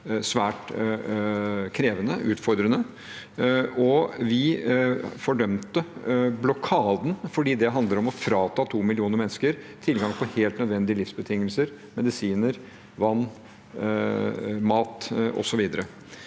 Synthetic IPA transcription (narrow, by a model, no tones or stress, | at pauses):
sʋæːʈ | kʰɾeːʋənəʔʉːt̪fɔɾd̪ɾənə | ɔʋɪ | fɔɖœmt̪əblɔkʰɑːd̪n̩fɔɖiːd̪ɛɦɑnd̪ləɾɔmɔfɾɑːt̪ʰɑːt̪ʰuːmɪlɪuːnəɾmɛnːskəɾ | t̪ʰɪlɡɑŋpʰɔheːlt̪nœd̪ʋɛnd̪ɪəlɪfsbət̪ʰɪŋːəlsəɾ | mɛd̪ɪsiːnəɾ | ʋɑnː | mɑːt̪ʔɔ̰sɔʋiːd̪əɾə